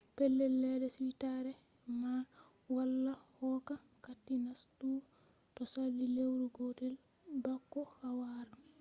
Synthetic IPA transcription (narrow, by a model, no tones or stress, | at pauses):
pɛlːɛlːɛdɛswitaɾɛ | ma | walːahɔka | katːinastu | tɔsalːilewɾuɡodɛl | bakːɔhawaɾa